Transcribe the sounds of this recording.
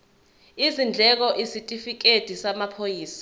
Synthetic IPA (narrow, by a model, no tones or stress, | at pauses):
izind͡ɮʱɛk̬ɔʔisitʼifik̬ʼed̥ʱisamapʰojiːsḁ